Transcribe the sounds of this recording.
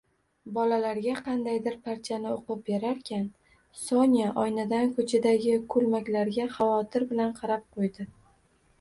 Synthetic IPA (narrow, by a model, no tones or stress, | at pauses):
bɒlalaɾɡʲaqʰɑnd̪ajd̪ɪɾpʰaɾt͡ʃ̪ʰanɪoqɨp̚beɾaɾkʲʰan | sɒnijaʔɒjnad̪ankʰɵt͡ʃʰad̪aɡʲɪkʰɵlmakʲlaɾɡʲaχɑvɒt̪ʰɪɾbɪlanqʰɑɾap̚qʰojd̪ɪ